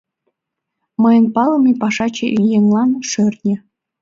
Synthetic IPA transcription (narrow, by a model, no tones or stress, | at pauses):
mɤ̆jə̆npɑlˠɤ̆mipɑʂɑt͡ɕeʔijeŋlˠɑnʂørʲnʲĕ